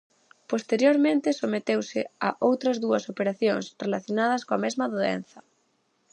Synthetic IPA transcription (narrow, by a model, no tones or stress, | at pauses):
post̪eɾjoɾmẽnt̪ɪsomet̪ewsɪaʔowt̪ɾɐzðuɐsopeɾaθjoŋsrelaθjonað̞ɐskoɐmezmɐðoḛn̟θɐ